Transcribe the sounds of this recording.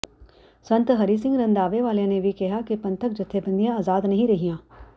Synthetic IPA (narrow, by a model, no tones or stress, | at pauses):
sɐ̃nt̪ɦɐɾisɪ̃ŋɡɾɐ̃nd̪aːʋeʋaːljãnebʱikɛɦakepɐ̃nt̪ʰək̚d͡ʒɐt̪ʰːebɐ̃nd̪ijãaːzaːd̪nɐɦĩɾɐɦijãː